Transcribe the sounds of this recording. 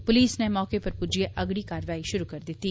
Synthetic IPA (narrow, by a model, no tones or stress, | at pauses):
pʊliːsnemɔːkepɐɾpud͡ʒieʔɐɡɽikaːɾʋaːiʃʊɾukɐɾd̪ɪt̪ːi